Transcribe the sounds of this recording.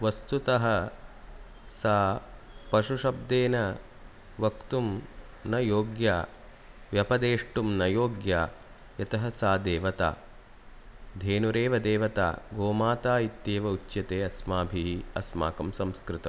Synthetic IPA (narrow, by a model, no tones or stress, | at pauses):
ʋɐst̪ut̪ɐɦɐ | saː | pɐʃuʂɐb̚d̪eːnɐ | ʋɐkt̪um | nɐjoːɡjaː | ʋjɐpɐd̪eːʂʈumnɐjoːɡjaː | jɐt̪ɐɦɐsaːd̪eːʋɐt̪a̰ː | d̪ʱeːnuɾeːʋɐd̪eːʋɐt̪a̰ːɡoːmaːt̪aːit̪ːjeːʋɐut͡ʃːjɐt̪eːɐsmaːbʱiɦiɐsma̰ːkɐmsɐmskɾɪt̪ɐm